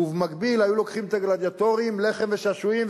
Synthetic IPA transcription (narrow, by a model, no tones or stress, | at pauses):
uvmaɡbilhajulo̞kχimt̪aɡlad̪jat̪o̞ʁimle̞χe̞mveʃaʃuim